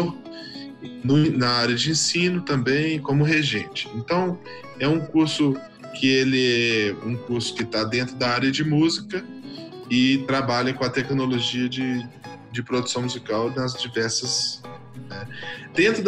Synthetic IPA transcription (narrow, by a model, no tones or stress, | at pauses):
nʊnɐaɾjɐd͡ʒɪẽsĩnʊt̪ɐ̃mbẽj̃kõmʊɦeʒẽt͡ʃɪ̥ẽnt̪ɐ̃w̃ | ɛũkuɾsʊ | kʰɪelɪɛũkuɾsʊ̥kɪt̪ad̪ẽnt̪ɾʊd̪aaɾjɐd͡ʒɪmuzikɐ | ɪt̪ɾabaʎɐkõɐt̪ɛknoloʒiɐd͡ʒɪ | d͡ʒɪpɾod̪u̥sɐ̃w̃muzikawnɐzd͡ʒivɛɾsɐs | nɛd̪̥ẽnt̪ɾʊ